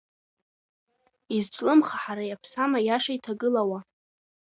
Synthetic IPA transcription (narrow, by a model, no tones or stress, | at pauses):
izt͡ʃʷʼlɨmχaħaɾajapʰsamajaʂaitʰaɡɨlawa